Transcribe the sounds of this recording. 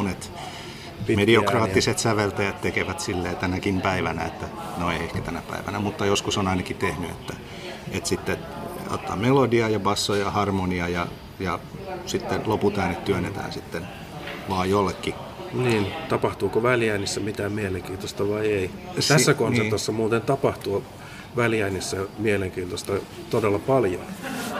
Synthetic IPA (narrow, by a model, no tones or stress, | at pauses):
onet̪ | mediokrɑːt̪ːiset̪sæʋelt̪æjæt̪t̪ekeʋæt̪silːeːt̪ænækimpæiʋænæet̪ːæ | noeiehkæ̥t̪ænæpæ̰iʋæ̰næmut̪ːɑjoskusonɑinɑkit̪ehnyḛt̪ːæ | et̪sit̪ːe | o̰t̪ːɑ̰ːmmelodiɑjɑbɑsːojɑhɑrmoniɑjɑ | jɑsit̪ːeloput̪æːnːet̪t̪yønːet̪æ̰ːnsit̪ːen | ʋɑːjjolːekːi | niːnt̪ɑpɑht̪uːkoʋæljæinisːæmit̪æːmieleŋkiːnt̪ost̪ɑʋɑieit̪æsːækonsept̪osːɑmuːt̪ent̪ɑpɑht̪uː | ʋæljæinisːæmieleŋkiːnt̪ost̪ɑ | t̪odelːɑpɑljo̰n